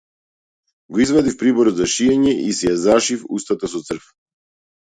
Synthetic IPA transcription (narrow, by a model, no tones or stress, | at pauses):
ɡɔizvad̪ifpɾibɔɾɔd̪zaʃiɛɲɛʔisɛjazaʃifṵst̪at̪as̬ɔt̪sr̩f